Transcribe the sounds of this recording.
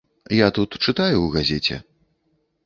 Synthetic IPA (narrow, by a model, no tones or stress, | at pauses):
jat̪ut̪t͡ʂɨt̪ajuwɣazʲɛt͡sʲɛ̰